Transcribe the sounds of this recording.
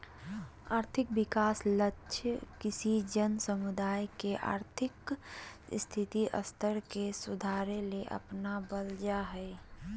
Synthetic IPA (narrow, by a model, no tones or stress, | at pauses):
aːɾt̪ʰɪk̚bɪkaːsləʃʰkɪsid͡ʒənsəmʊd̪aːjkeʔa̰ːɾt̪ʰɪk | st̪ʰɪt̪iʔə̰st̪ʰəɾkesʊd̪ʱaːɾeleʔə̰pnabəld͡ʒaɦɛ